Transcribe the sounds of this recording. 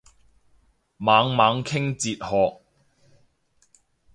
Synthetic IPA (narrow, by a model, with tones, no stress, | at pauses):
maː˨˧ŋmaː˨˧ŋkʰɪ˥ŋt͡siː˧t̚hɔː˨k̚